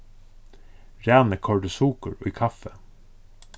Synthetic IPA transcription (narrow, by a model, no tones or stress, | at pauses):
ɹæːnəkʰɔɖəsuːkəɹɔ̰iːkʰɑfə